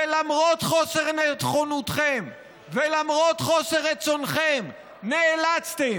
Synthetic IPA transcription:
elamʁo̞t̪χo̞seʁnet̪χonut̪χem | velamʁo̞t̪χo̞seʁːet͡so̞nχem | neːlat͡st̪e

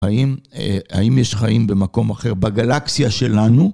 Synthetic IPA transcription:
aima̰imjeʃχaimbe̞mako̞maχe̞ʁbaɡalaksiaʃe̞lanu

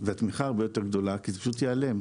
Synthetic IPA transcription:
veat̪miχaːʁbejo̞te̞ʁɡd̪o̞lakizepaʃutjeale̞m

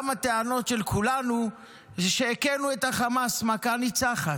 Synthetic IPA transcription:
mat̪eano̞tʃelkʰulanu | ʃeːkenuet̪haχamasmakanit͡saχa

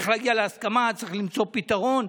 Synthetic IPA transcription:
χɾajalaskamat͡saχlimt͡sopit̪aʁon

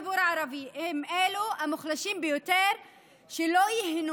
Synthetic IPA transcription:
buːɾʕɑɾˤɑbiʔɪmʔeːluʔamʊxlaʃiːmbɪjʊt̪eːɾ | ʃiloːjɪɦn

